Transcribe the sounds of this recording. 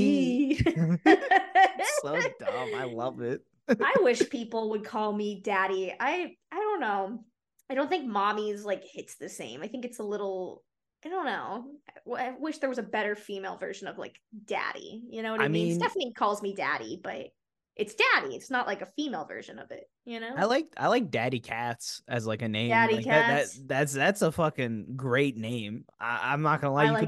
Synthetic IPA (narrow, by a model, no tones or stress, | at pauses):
i | soʌ̃a̰ɪlʌvɪt̚ | aɪwɪʃpʰipl̩ˠwəd̚kʰɔlˠmidæɾia̰ɪaɪɾõʊ̃nːoʊ | aɪɾõʊ̃nθɪ̃ŋk̚mɑmizlaɪkhɪtsðɨsḛ̃ɪ̃maɪθɪ̃ŋkɨtsəlɪɾl̩ˠ | aɪdõʊ̃nːoʊaɪaɪwɪʃðə˞wʌzɨbɛɾə˞fimeɪlˠvɜ̰˞ʒɨ̃nʌv̥la̰ɪkd̥æ̰ɾḭjɨnoʊwʌaɨɪmĩĩndɛfənɨtˡlikʰɔlˠzmidæ̰ɾḭb̥ʌ̰ɾ | ʔɨtsd̥æɾiɨ̰tsnəʔlaɪkɨfimeɪlˠvɜ̰˞ʒɨ̃nʌ̰vɪ̰t̚jɨnoʊaɪlaɪk̚a̰ɪlaɪk̚d̥æɾikʰætsɨzlaɪkɨnẽɪ̃dæɾikʰææðætsðætsəfʌkɪ̃ŋɡɹeɪtⁿnẽɪ̃mʔa̰ɪʔã̰ɪ̃mnət̚ɡ̥ʌ̃nəlaɪ